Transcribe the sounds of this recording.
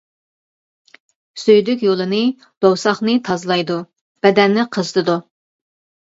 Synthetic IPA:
søjd̪ykʲjolˠɨnɨ | d̪̥owsɑχnɨt̪ʰɑzlˠɑjd̪u | b̥ɛd̪ɛnːɪqʰəzɨt̪ʰɨd̪u

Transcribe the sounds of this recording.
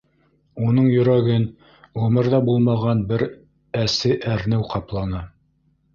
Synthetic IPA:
unɤɴjɵ̆ɾæɡɘn | ʁɵ̆mɤɾðɑbulˠmɑʁɑnbɘɾ | æsɘʔæɾnɘwqɑplˠɑnɑ

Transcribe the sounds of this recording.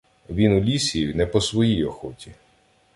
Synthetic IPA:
ʋʲinulʲisʲijiwnɛpɔsʋɔjijɔxɔtʲi

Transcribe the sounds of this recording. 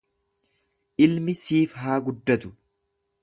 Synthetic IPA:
ʔɪlmɪsiːfɦaːɡʊd̪ːɐt̪ʊ̥

